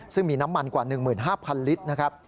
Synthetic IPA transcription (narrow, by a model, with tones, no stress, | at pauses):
sɯ˥˩ŋmiː˧na˦˥mːa˧nkwaː˨˩nɯ˨˩ŋmɯː˨˩nɦaː˥˩pʰa˧nli˦˥t̪̚na˦˥kʰa˦˥p̚